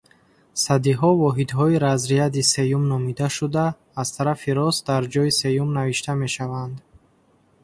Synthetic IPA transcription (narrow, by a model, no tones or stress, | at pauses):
sad̪iɦɔvɔɦid̪ɦɔiɾazɾiad̪ise̞jumnɔmid̪aʃud̪aː | z̥t̪ʰaɾafiɾɔsd̪aɾd͡ʒɔise̞jumnaviʃt̪ʰame̞ʃavand̪